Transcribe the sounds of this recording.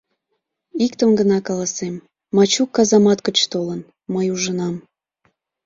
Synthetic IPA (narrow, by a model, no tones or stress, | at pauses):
ikt̪əmɡənɑkɑlɑsemː | ɑt͡ɕukːɑzɑmɑt̪kət͡ɕt̪olən | məjuʒənɑm